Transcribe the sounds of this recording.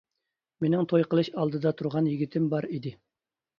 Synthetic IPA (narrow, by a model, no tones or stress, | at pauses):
menɪŋt̪ʰojqəlˠɨʃɑlˠd̪ɨd̪ɑt̪ʰuɾʁɑnjiɡʲit̪ʰɪmbɑɾid̪ɪ